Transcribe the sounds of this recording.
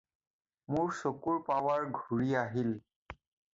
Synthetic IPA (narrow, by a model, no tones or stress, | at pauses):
muɹsokuɹpawaɹɡʱuɹiaɦil